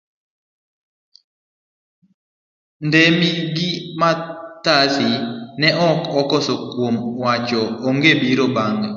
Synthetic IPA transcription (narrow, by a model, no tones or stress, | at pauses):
ndɛmiɡɪmat̪asɪnɛʔɔkɔkɔsɔkwomwat͡ʃɔːŋɡebiɾobaŋɡa